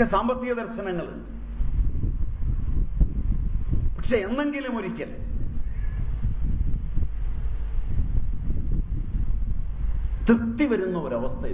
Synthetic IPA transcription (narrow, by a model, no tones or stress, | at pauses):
esaːmbɐt̪ːiɣɐd̪ɐrɕɐnɐŋːɐɭṵ | pɐkʂe̞end̪e̞ŋɡilumoɾikʲːɐlɐ | t̪rɨt̪ːiʋɐɾunːɐoɾɐʋɐst̪ʰɐ